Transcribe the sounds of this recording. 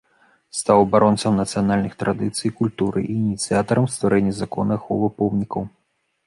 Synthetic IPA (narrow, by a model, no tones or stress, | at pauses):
st̪awɐbaɾɔnt̪sɐmnɐt̪sɨjanalʲnɨxt̪ɾad̪ɨt̪sɨjkulʲt̪uɾʔɨ̰ʔiːnʲit̪sɨjat̪ɐɾɐmst̪vaɾʔɛnʲːɐzakɔ̰nɐxɔvɐpɔwnʲikɐw